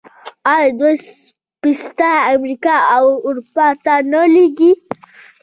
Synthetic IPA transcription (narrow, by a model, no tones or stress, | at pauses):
ajd̪os | pist̪aamɾikaawuɾupat̪anəleɡi